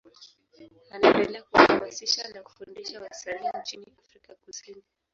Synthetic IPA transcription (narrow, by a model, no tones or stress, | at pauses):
anaɛndɛlɛakuhamasiʃanaku̥fundiʃawasanint͡ʃiniafɾikakusini